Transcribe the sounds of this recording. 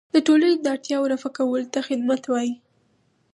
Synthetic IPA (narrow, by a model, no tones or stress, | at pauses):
d̪̥əʈoləned̪əaɽt̪jɑwɾafakawəlt̪axɪd̪̚mat̪wɑji